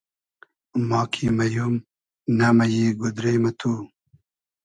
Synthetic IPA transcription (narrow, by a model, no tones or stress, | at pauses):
mɑːkʰimɐjum | namɐjiɡud̪ɾejmɐt̪ʰu